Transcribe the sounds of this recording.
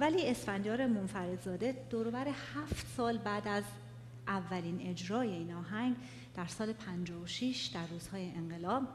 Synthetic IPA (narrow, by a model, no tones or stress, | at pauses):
væliːe̞sfænd̪jɒːɾemonfæɾe̞d̪zɒːd̪e̞d̪̥ɒːɾobæɾehæːft̪sɒːlbæːd̪æz | ʔævːæliːne̞d͡ʒɾɒːje̞iːnɒːɦæŋɡ | d̪̥æɾsɒːle̞pʰænd͡ʒɒːvoʃiʃd̪ærːuːz̥hɒːjeʔeŋɢe̞lɒːb̥